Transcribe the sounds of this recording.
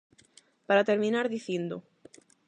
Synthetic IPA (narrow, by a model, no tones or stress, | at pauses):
paɾat̪eɾmĩnaɾðiθjend̪o